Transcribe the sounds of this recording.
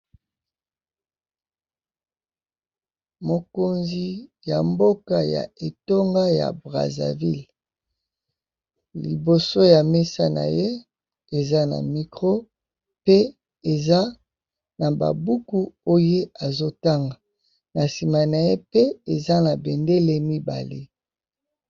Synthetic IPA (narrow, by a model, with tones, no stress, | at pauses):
mo˨ko˨nzi˦ja˨mbo˦ka˨ja̰˨e˨to˦ŋɡa˦ja̰˨bʁa̰˨za̰˨vḭ˦l | lḭ˨bo˨so˦ja˨me˦sa˦na̰˨je˦ | e˨za˦na̰˨mi˨kʁo˦ | pe˦ | e˨za˦ | na˨ba̰˨bu˦ku˦o˦je˦a˨zo˦ta˦ŋɡa˨ | na˨si˨ma˨na˨je˦pe˦e˨za˦na˨be˨nde˦le˦mi˦ba̰˨lḛ˦